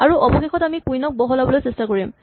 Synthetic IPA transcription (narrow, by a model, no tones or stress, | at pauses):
aɹuʔɔbɔxexɔtamikujnɔk̚bɔɦɔlabɔlojsestakoɹim